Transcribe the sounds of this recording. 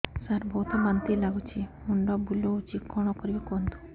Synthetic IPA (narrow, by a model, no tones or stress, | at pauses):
saɾbʱɔwt̪ʰɔbant̪ilaɡut͡ʃʰimuɳɖɔbulout͡ʃikɔɽ̃ɔkɔɾibakɔnd̪u̥